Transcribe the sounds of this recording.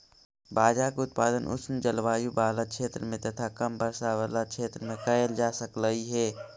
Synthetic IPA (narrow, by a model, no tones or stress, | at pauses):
baːd͡ʒaːkʊt̪̚paːd̪ənʔʊ̰snd͡ʒɐlʋaːjubaːlaʃʰeːt̪ɾəmẽt̪ɐt̪ʰakɐmbəɾsaʋəlaʃʰeːt̪ɾəmẽkɐəld͡ʒaːsəkləɦiɦɛː